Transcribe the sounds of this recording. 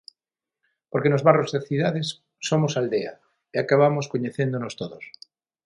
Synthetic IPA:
poɾkenozβarozðeθiðað̞esː | omosald̪ea̰ | eakaβ̞amoskoɲeθend̪onost̪oðos

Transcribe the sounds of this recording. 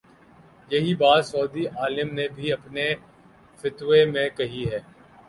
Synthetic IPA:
jɐɦibaːd̪sɔːd̪iʔaːlɪmnebʱiɐpne | fɪt̪ʋemẽkɐɦiɦɛː

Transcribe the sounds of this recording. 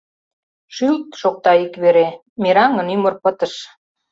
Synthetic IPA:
ʃylt̪ʃok̚t̪ɑikβeɾe | meɾɑŋə̆nymərpət̪əʃ

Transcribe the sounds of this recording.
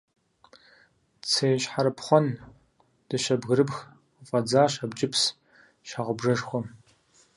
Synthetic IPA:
t͡sʰeːʃħaɾɨpʰχʷɔn | d̥ɨʃɐbɣɨɾɨpx | fʼɐd͡zaːɕabt͡ʃʼɪpʰs | ʃaʁəbʐɐʂxʷɔ

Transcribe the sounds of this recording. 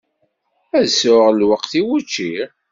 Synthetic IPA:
æðsʊʁlwəqθiwut͡ʃːiɾ

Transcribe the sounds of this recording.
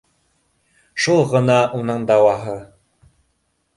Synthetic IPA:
ʃulˠʁɤ̆nɑʔunɤɴd̪ɑwɑɦɤ

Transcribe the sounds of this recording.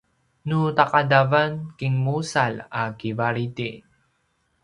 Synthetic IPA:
nut̪aqad̪avankɪŋmusalakivaɾit̪i

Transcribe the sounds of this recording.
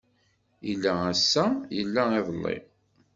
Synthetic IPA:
ilːææsːæjəlːæɪðˤəlˤːḭ

